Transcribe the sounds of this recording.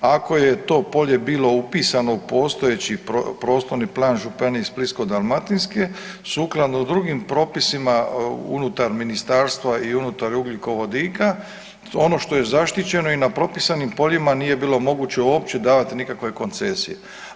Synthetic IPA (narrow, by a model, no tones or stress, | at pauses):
ako̞jet̪o̞ːpo̞ʎe̞biːlo̞upiːsano̞upo̞ːst̪o̞jet͡ɕiopɾoːst̪o̞ɾniplˠaːnʒupeneisblisko̞d̪almat̪inske̞ | suklˠad̪nod̪ɾuɡimpɾo̞ːpisimaṵnut̪aɾminist̪aːɾst̪ʋaiunut̪aɾuɡliko̞ʋo̞d̪iːka | o̞no̞ʃt̪o̞je̞zaʃt̪it͡ɕe̞no̞inapɾo̞pisanimpo̞ʎimaniːje̞biːlo̞mo̞ɡut͡ɕe̞uoːp̚t͡ɕe̞d̪aːʋat̪inikakʋe̞ko̞nt̪se̞sḭjḛ